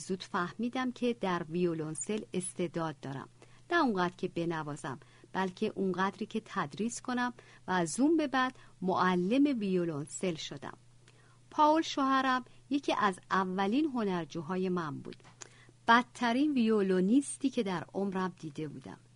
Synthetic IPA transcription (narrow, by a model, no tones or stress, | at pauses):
zuːd̪̥fæhmiːd̪æmcʰe̞d̪æɾvijolonse̞le̞st̪e̞d̪ɒːd̪̚ːɒːɾæ̰mnæuŋɢæt̪cʰe̞be̞nævɒːzæ̰m | b̥ælcʰe̞ʔuŋɢæd̪ɾiːcʰe̞t̪ʰæd̪ɾiːskʰo̞næm | væːzumbe̞bæd̪̥moʔælːe̞me̞vijolonse̞lʃod̪æ̰m | pʰɒːolʃohæɾæmje̞cʰiːʔæzævːæliːnɦo̞næɾd͡ʒuːɦɒːje̞mæmbṵːd̪̥ | b̥æt̪ʰːæɾiːnvijolonist̪iːkcʰe̞d̪æɾomɾæmd̪iːd̪e̞buːd̪æ̰m